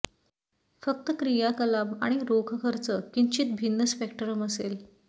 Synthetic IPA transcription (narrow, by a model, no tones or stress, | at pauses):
fək̚t̪əkɾijakəlama̰ɽ̃iɾokʰkʰəɾt͡səkiɲt͡ɕiːt̪̚bʱinːəspekʈəɾəməsel